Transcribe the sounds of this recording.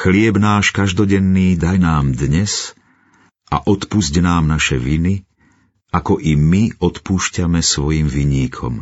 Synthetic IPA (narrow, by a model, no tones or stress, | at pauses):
xlɪɛbnaːʃkaʒd̪ɔɟɛnːiːd̪ajnaːmd̪ɲɛs | a̰ʔɔt̪puzɟnaːmnaʃɛʋini | akɔʔimiʔɔt̪puːʃcamɛsʋɔjiːmviɲiːkʰɔ̰m